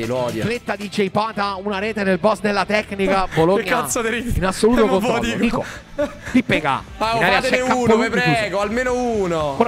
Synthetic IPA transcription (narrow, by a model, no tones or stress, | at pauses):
iloɔd̪jflet̪ːad̪id͡ʒejpaːt̪aunaɾeːt̪enelbɔsd̪elːat̪ɛknikaboloːkːasod̪eɾiinasːoluːt̪okond̪iod̪iːko̰ | t̪ipːeɡa̰ | ainaɾjat͡ʃːɛauoep̪iiɛsːɡoalmeːnouːnoko